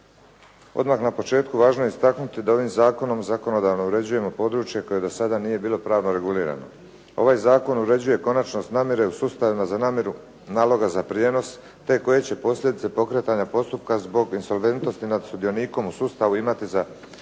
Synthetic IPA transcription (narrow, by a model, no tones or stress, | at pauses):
o̞̰d̪maxnapo̞t͡ʃe̞ːt̪kuʋaːʒnojeist̪aknut̪id̪ao̞ʋimzaːko̞no̞mzako̞no̞d̪aːʋno̞uɾe̞d͡ʑuje̞mo̞po̞d̪ɾuːt͡ʃje̞ko̞je̞d̪o̞sad̪anije̞biːlˠo̞pɾaːʋno̞ɾe̞ɡuliːɾa̰no̞̰ | o̞̰ʋaːjzaːko̞nuɾe̞d͡ʑuje̞ko̞nat͡ʃno̞st̪naːmje̞ɾe̞usuːst̪aʋimazanaːmje̞ɾu | naːlo̞ɡazapɾije̞ːno̞s | t̪e̞ko̞je̞t͡ɕe̞po̞sʎʲe̞d̪it̪e̞po̞kɾe̞t̪aɲapo̞st̪upkazbo̞ɡinso̞lʋe̞nt̪no̞st̪inad̪sud̪ijo̞niːko̞musuːst̪aʋuimat̪iza